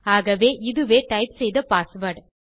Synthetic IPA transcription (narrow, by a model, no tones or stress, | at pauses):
aːɣɐʋeːʔɪðɯʋeːʈɐɪpsɛjðɐpaːsʋɐɾʈ